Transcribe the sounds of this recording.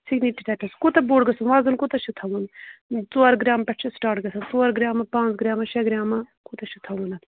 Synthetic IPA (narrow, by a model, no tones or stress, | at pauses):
sʰiɡniʈiʈɐpɐskut̪ɐboːɽɡɐsɐnʋaːzɐnkut̪ɐʃʰit̪ʰɐwunt͡soɐɾɡɾaːmpɐʈt͡ʃʰisʈaːʈɡɐsʰɐt͡soːɐɾɡɾaːmɐpãːnt͡sɡɾaːmɐʃɐɡɾaːmɐkut̪ɐʃʰit̪ʰɐwunɐt̪